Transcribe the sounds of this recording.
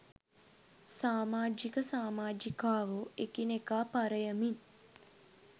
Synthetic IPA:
saːmaːd͡ʒikəsaːmaːd͡ʒikaːʋoekinekaːpaɾəjəmin

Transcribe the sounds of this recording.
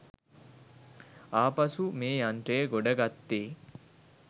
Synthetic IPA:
aːpɐsumeːjanʈeːɡoɖɐɡat̪ːeː

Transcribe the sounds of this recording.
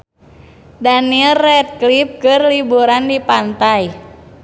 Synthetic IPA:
danilrɛt̪̚klip̚kɨrlibuɾandipant̪aj

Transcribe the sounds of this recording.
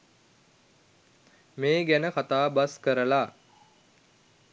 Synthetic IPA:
meːɡænəkat̪aːbaskəɾəla

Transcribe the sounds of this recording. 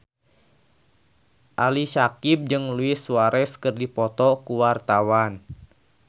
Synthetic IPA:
ʔaliʃakip̚d͡ʒɨŋluɪsuaɾɛskərdipɔt̪ɔkuwart̪awan

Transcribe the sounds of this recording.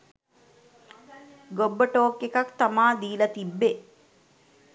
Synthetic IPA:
ɡobːəʈoːkːekakt̪amaːd̪iːlət̪ibːe

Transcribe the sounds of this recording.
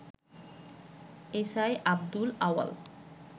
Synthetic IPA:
esaeʔab̚d̪ulawa̰l

